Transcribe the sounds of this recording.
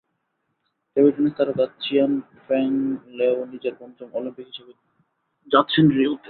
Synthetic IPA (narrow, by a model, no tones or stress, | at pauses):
ʈebiʈonest̪aɾad̪atːʰian | fɾɛŋleonid͡ʑeɾbɔnt͡ɕomolimpikɦiʃebe | d͡ʑat̪ːɕʰenɾiut̪ːe